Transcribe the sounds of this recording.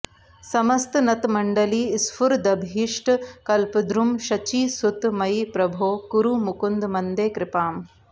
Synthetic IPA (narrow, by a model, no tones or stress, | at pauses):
sɐmɐst̪nɐt̪mɐɳɖɐliːsfʰuɾd̪ɐbʱiːʂʈkɐlpɐd̪ɾumʃɐt͡ʃiːsut̪mɐjpɾɐbʱoːkuɾumukund̪mɐnd̪eːkɾɪpaːm